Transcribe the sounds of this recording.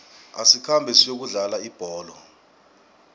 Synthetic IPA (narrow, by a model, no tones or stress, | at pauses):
a̰sikʰambʱɛsijok̬uɮalaib̥ʱɔːlɔ